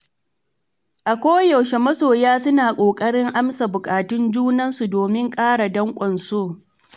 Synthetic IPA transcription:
ʔa˨kʷoː˦jɐ˨wʃe˨mɐ˦soː˨jaː˦sʊ˦naː˨kʷʼoː˨kʼɐ˦ɽɪ˦ŋʔa˦msa˨bʊ˨kʼaː˨tʊ˦nd͡ʒuː˦nɐ˦nsu˨doː˨mɪ˦ŋkʼaː˦ɽa˨dɐ˦ŋkʷʼɔ˨nsoː˦˨

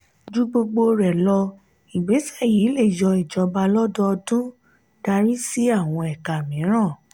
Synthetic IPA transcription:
d͡ʒu˦ɡ͡bo˧ɡ͡bo˧ɾɛ˨lɔ˧ | i˨ɡ͡be˨˦sa˦˨ji˨˦le˦˨jɔ˧i˨d͡ʒɔ˧ba˧lɔ˦dɔ˧˦ɔ˧dũ˦ | d̥a˧ɾi˦si˦a˦˨w̃ɔ̃˧ɛ˨ka˨mĩ˨˦ɾ̃ã˦˨

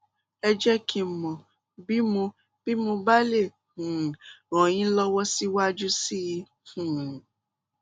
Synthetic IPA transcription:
ɛ˧d͡ʒɛ˦kʰi˧˨mɔ̃˨ | bi˦mũ˧ | b̥i˦mũ˧ba˦le˦˨ | hũ˨ɾɔ̃˨j̃ĩ˦lɔ˦wɔ˦si˦wa˦d͡ʒu˦si˦˧ | hũ˨

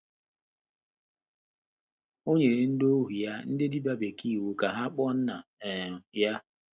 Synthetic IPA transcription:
o˦ɲe˨ɾe˨n̩˦do˦ɦu˨ja˦n̩˦dɪ˦di˦ba˦be˨ki˦˨wu˨ka˨ɦa˦k͡pɔ˦n̩˦na˨ | ja˦

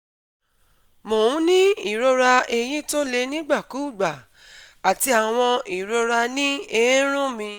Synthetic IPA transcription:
mo˨ũ˨˦nĩ˦i˦˨ɾo˧ɾa˧e˧j̃ĩ˦to˦le˧nĩ˦ɡ͡ba˦˨ku˨˦˨ɡ͡ba˨ | a˨ti˧a˨w̃ɔ̃˧i˨ɾo˧ɾa˧nĩ˦e˧jĩ˦ɾ̃ũ˦mĩ˧

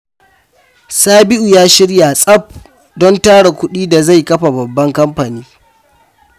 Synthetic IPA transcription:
saː˦bɪ˦ʔu˨jaː˦ʃɪ˦ɽja˨sʼɐ˦p̚ | dɔ˦ntaː˦ɽa˨kʷʊ˦ɗiː˦da˨za˦˨jkɐ˦ɸa˨bɐ˨bːɐ˦ŋkɐ˦mɸa˨niː˦

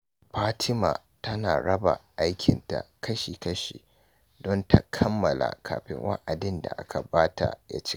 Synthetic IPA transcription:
ɸaː˦tʰɪ˦maː˨ | tɐ˦naː˨ɽɐ˦ba˨ʔa˦jkʲɪ˨nta̰˨kɐ˦ʃiː˨kɐ˦ʃḭː˨ | dɔ˦nta˦kʰɐ˦mːɐ˨la̰˨kʰaː˨ɸɪ̰˦ŋwʔa̰˦ʔa˨dɪ˦nda̰˨ʔa˦kʰa˨baː˦ta˨ja̰˦t͡ʃɪ̥˦

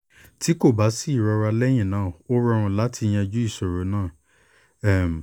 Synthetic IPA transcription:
ti˨˦ko˦˨ba˨˦si˦i˦˨ɾɔ˧ɾa˧lɛ˦j̃ĩ˦˨nãː˨˦˨o˦ɾɔ̃˦˧ɔ̃˧la˨˦tʰi˧j̃ɛ̃˧d͡ʒu˦i˦˨so˨ɾo˨˦nãː˦˨˦ | m˨

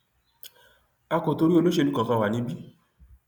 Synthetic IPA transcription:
a˧ko˨to˧ɾi˦o˧lo˦ʃe˧nũ˦kã˨kã˧wa˨nĩ˧˦bi˦

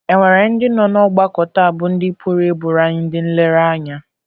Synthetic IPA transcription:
e˨ŋʷe˨ɾe˨n̩˦dɪ˦nɔ˨nɔ˦ɡ͡ba˦kɔ˨ta˦a˨bʊ˨n̩˦dɪ˦pʰo˦ɾe˦e˦bʊ˨ɾa˦ɲɪ˦n̩˦dɪ˦n̩˦le˦ɾa˦ɲa˦

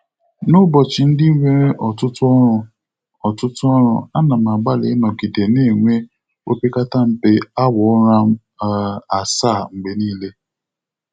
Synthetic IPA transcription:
nʊ˦bɔ˨t͡ʃɪ˨n̩˦di˦i˦ŋʷe˦ɾe˦ʔɔ˨tʊ˦tʊ˦ɔ˦ɾʊ˨ | ɔ˨tʊ˦tʊ˦ɔ˦ɾ̃ʊ̰˦a˦na˨m˨a˨ɡ͡ba˦le˨˦nɔ˨ɡi˨de˨ne˦˨ŋʷe˦ | o˦pi˦ka˦ta˦m̩˦pe˦a˦wɔ˨˦ɾa˦m̩˦ | a˨sa˦˨ŋ͡m̩˨ɡ͡be˨niː˦le˦

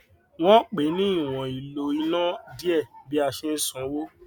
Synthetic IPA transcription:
w̃ɔ̃˦k͡pe˨˦nĩ˦i˦˨w̃ɔ̃˨i˨lo˧i˧nã˦di˦ɛ˦˨bi˨˦a˧˨ʃe˧n̩˦sũ˨˦wo˦

